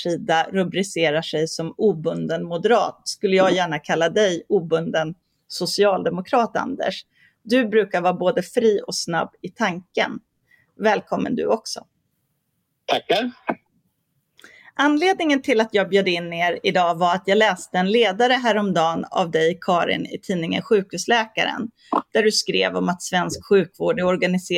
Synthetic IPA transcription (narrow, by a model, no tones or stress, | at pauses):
ʂiːd̪aɾɵbɾɪseːɾaʂɛjsɔmuːbɵnd̪ənmʊd̪əɾɑ̰ːt̪skɵlːəjɑːɡjæːɳakʰalːad̪ɛjuːbɵnd̪ən | sʊsɪɑːld̪ɛmʊkʰɾɑːt̪a̰nd̪ə̰ʂ | d̪ɵbɾʉ̟ːkaɾvɑːɾboːd̪əfɾiːɔsna̰bːɪt̪ʰaŋkə̰n | vɛːlkʰɔmːə̰nd̪ɵ̰ɔksɔ̰ | t̪ʰakː | ʔanːleːd̪nɪŋənt̪ʰɪlat̪jɑːɡ̚bjøːd̪əɪnːeːɾɪd̪ɑːvaɾat̪jɑːɡlɛːst̪əɛnleːd̪aɾəɦæːɾɔmd̪ɑːna̰vd̪ɛjkʰɑːɾɪ̰nɪt̪ʰiːnɪŋə̰nɧʉ̟ːkhʉ̟ːslɛːka̰ɾə̰n | d̪̥æɖɵskɾḛːvɔmat̪svɛnskɧʉ̟ːkvoːɖəɔɾɡanɪseː